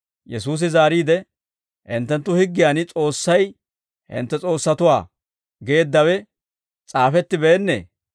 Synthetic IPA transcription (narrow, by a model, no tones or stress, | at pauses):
jɛsuːs̬ɪzaːɾiːd̪ɛ | hɪnt̪ːɛnt̪ːʊhɪɡːɪjaːnt͡sʼo̞ːsːɐj | hɪ̰nt̪ːɛt͡sʼo̞ːsːɐt̪ʊwa̰ː | ɡe̞ːd̪ːɐwɛ | t͡sʼaːfɛt̪ːɪbeːnːḛː